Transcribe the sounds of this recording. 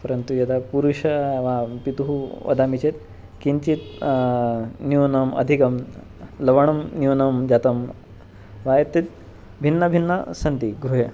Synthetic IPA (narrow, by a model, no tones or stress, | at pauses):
pɐɾɐnt̪ujɐd̪apuɾuʂɐʋapit̪uɦuʋɐ̰d̪amit͡ɕet̪̚ | kiɲt͡ɕit̪̚ | njunɐmɐ̰d̪ʱikɐm | lɐʋɐɳɐmnjunɐmd͡ʑat̪ɐm | ʋajet̪ːit̪̚ | bʱinːɐbʱinːɐsɐnt̪iɡɾuɦe